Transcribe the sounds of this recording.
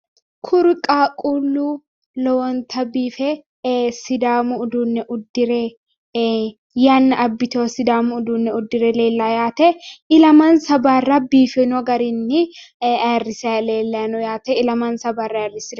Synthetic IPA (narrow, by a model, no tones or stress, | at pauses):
kʰʊɾkʼaːkʼulːuː | lɔwɔnt̪ʰɐbiːfɛ | sɪd̪aːmuːd̪uːnːɛʔʊd̪ːɪɾɛ | janːɐɐbːɪt̪oːsɪd̪aːmʊʊd̪unːɛʊd̪ːɪɾɛle̞ːlːaːjaːt̪ɛɪlɐmɐnsɐbaːrɐbiːfɛnɔɡɐɾɪnːɪ | rːɪsɛleːlːɐnɔjaːt̪ɛɪlɐmansɐbaːrːɐrːɪsɪdɛ